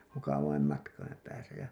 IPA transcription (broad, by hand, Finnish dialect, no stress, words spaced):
mukɑʋɑim mɑtkɑim pæːsæ jɑ